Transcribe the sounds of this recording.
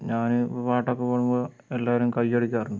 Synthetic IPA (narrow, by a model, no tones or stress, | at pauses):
ɲaːnɨoɾpaːʈːokːepoːɻumboː | e̞lːaːʋɐɾumkɐjɐɽikʲːaːrund̪ɨ